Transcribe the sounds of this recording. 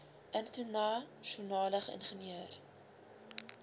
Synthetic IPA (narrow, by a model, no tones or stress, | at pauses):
ʔəntunɑʃunɑːləχəʔə̰nχəniəːr